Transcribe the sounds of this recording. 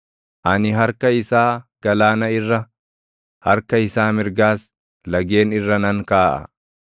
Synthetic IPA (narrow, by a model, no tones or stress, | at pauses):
ʔɐnɪɦɐɾkɐɪsaːɡ̥ɐlaːnɐɪrːɐ | hɐɾkɐɪsaːmɪɾɡaːs | lɐɡe̞ːnɪrːɐnɐŋkaːʔɐ̰